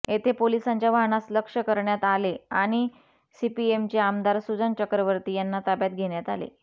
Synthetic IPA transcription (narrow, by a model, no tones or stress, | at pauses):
et̪ʰepolisaɲt͡ɕjaʋaɳasləkʂəkəɾɳjat̪aleaɽ̃i | sipiemt͡ɕeamd̪aɾsud͡zənt͡ɕəkɾəʋəɾt̪iːjanːat̪abjat̪̚ɡʱeɳjat̪a̰lḛ